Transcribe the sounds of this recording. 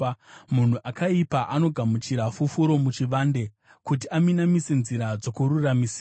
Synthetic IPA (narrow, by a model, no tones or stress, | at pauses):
mun̤uʔakaipaʔano̞ɡʱamut͡ʃiɾafufuɾo̞mut͡ʃiʋaːnde̞ | kut̬iaminamise̞nziɾad͡zo̞kuɾuramisi